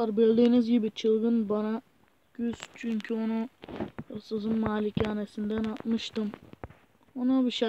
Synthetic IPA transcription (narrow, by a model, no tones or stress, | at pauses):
aɾbilʲd̪iːnizɟibit͡ʃʰɯlˠɡɯnbana | ɟ̥yz̥t͡ʃʰyɲcʰyonujosɯzɯnmaːlicʰaːnesind̪ænat̪mɯʃt̪ɯm | onabiʃa